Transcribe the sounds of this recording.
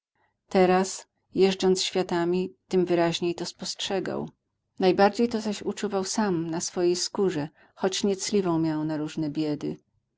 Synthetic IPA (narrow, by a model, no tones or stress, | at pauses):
t̪ɛɾas | jɛʐd͡ʐd͡zɔnt̪sɕfʲjat̪amʲit̪ɘmvɘɾaʑɲejt̪ɔspɔstʂɛɡa̰w | najbaɾd͡ʑejt̪ɔzaɕut͡ʂuvawsamnasfɔjejskuʐɛ | xɔt͡ɕɲɛt̪slʲivɔ̃w̃mʲjawnaɾuʐnɛbʲjɛd̪ɘ